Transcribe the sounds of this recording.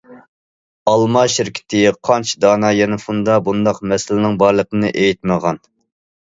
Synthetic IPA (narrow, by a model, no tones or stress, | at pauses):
ɑlˠmɑʃɪɾkʲʰɪ̥t̪ʰɪqʰɑnt͡ʃʰid̪ɑːnɑjɛnɛfund̪ɑbund̪ɑqmɛsɪlɪnɪŋbɑɾlˠəqənɨʔejit̪̚məʁɑn